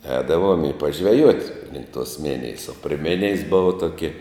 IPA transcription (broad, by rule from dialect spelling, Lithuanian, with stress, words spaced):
ˈɛːdɐʋuɔm ɪ pɐʒʲʋʲɛˈjuɔtʲ lʲɪŋk tuɔs ˈmʲɪnʲɪjɛs oː pʲrʲɪ ˈmʲɪnʲɪjɛs ˈbʊʋɐ ˈtoːkʲɪ